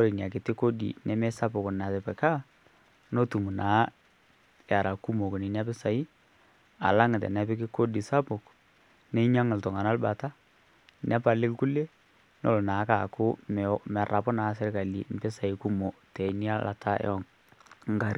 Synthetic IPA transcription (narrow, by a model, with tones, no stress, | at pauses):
ɔ˦ɾi˨nja˨k̬ɪ˨tɪ˦ko˦dḭ˨nɛ˦mɛ˦sa˦pʊ˨kʊ˨na˨tɛ˨pɛ˨ka˦ | no˦tu˨mu˨naː˨˦ | ja˨ɾa˨ku˦mo˨ko˨ni˨nja˦pɪ˦sa˨i˦ | a̰˨la˦ŋ˨tɛ̰˨na˨˦pɪ˦kɪ˦ko˦di˨sa˦pʊ˨k | nɛ˦ɲa˦ŋɪ˨ltɔ˨ŋa˨na˦lba˨ta˦ | na˦pa˨lɪ˦kku˦le˦ | no̰˨lnaː˨˦ka˨kʊ˦mɛ˨mɛ˨ra˨pʊ˦naː˨˦sɪ˦ɾka˨lḭ˨m̩˨pɪ˦sa˨i˨ku˦mo˨tɛ˨ni˦a˦lʔa̰˨tʰa̰˦ɔ˦˨ŋ | ŋ˦ɡa˨ɾ